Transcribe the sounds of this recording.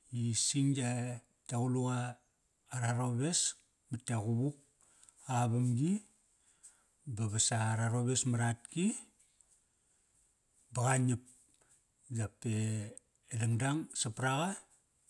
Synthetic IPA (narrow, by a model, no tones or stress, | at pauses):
isiŋja | taɣuluaː | ɾaɾoβe̞s | matːeɣuβuk̚ | aβamɡi | baβasaːɾaɾoβesmaɾat̚ki | baɣaɲip̚ | d͡ʒapeː | laŋdaŋsapɾaɣa